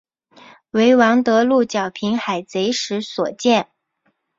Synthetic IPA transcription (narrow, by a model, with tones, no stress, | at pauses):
we˧˥ɪwɑ˧˥ŋt̪ɤ˧˥lu˥˩t͡ɕjɑ˨˩ʊpʰi˧˥ŋxa˨˩ɪt͡se˧˥ɪʂɻ̩˧˥swɔ˨˩t͡ɕjɛ˥˩n